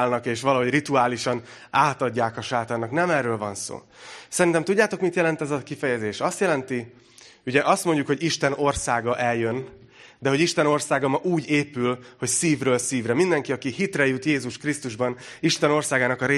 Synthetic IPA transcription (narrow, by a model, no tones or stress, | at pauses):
lnɒkeːʃʋɒlɒɦo̞ɟrit̪uaːliʃɒn | aːt̪ɒɟːaːkɒʃaːt̪aːrnɒknɛmɛrːøːlvɒ̰nso̰ː | sɛɾint̪ɛmt̪uɟːaːt̪o̞kmit̪jɛlɛnt̪ɛzɒkifɛjɛzeːʃɒst̪jɛlɛnt̪i | uɟɛʔɒst̪mo̞ɲɟukho̞ɟiʃt̪ɛno̞rsaːɡɒʔɛljø̞n | d̪ɛɦo̞ɟiʃt̪ɛno̞rsaːɡɒmɒʔuːɟeːpylho̞csiːvrøːlsiːvrɾɛmind̪ɛŋkiɒkihit̪rɛjut̪jeːzuʃkrist̪uʒbɒn | iʃt̪ɛno̞rsaːɡaːnɒkɒɾeː